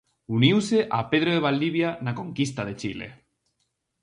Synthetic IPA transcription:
uniwseʔape̞ð̞ɾoðeβ̞ald̪iβjanako̞ŋkis̬t̪að̞e̞t͡ʃilḛ

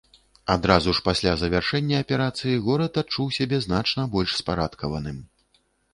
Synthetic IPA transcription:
ad̪ɾazuʂpasʲlʲazɐvʲarʂɛnʲːɐɐpʲɛɾat̪sɨjiɣɔɾɐt̪at̪̚t͡ʂuwsʲabʲɛznat͡ʂnɐbɔlʲʂspaɾat̪kɐvɐnɨm

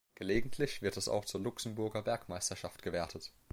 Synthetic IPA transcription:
ɡ̥əleːɡŋ̩tʰlɪçv̥ɪɐtɛsa̰ʊxt͡suːɐlʊksm̩bʊɐɡɐbɛɐkmaɪstɐʃaftɡ̥əvɛːɐtʰət

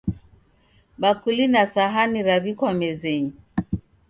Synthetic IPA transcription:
bakulinasaɦaniɾaβikwamɛzɛɲi

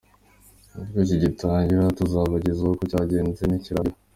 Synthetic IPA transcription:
aɾikociɟitaːɲɟiɾatuzaβaɟizahokocaɟe̞ːnzeniciɾaio

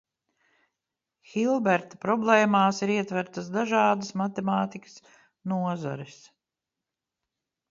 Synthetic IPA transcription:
xilˠbɛɾt̪ḁpɾɔblˠɛːmaːsiɾiɛt̪væɾt̪asd̪aʒɑːd̪əsmat̪emaːt̪ikə̥s | nuɔza̰ɾis

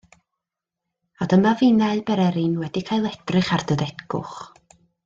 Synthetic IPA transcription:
adəmavinaɨbɛɾɛɾɪnwɛdikʰajlˠɛd̥rɨχardəðɛdɡʊ̰χ

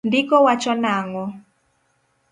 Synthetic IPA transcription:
ndɪkɔwat͡ʃɔnaŋɔ

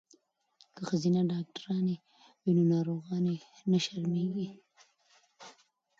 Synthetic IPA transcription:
kəxazinaɖɑk̚ʈaɾɑne | wenonɑːɾoɣɑne | naʃaɾmeɡi

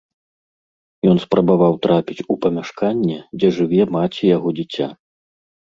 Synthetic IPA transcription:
jɔnspɾɐbavawt̪ɾapʲit͡sʲupɐmʲaʂkanʲːɛd͡zʲɛʐɨvʲɛmat͡sʲijaɣɔd͡zʲit͡sʲa̰

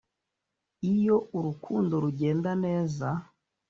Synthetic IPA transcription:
ijɔʔuɾukʰundɔɾuɟɛndanɛza

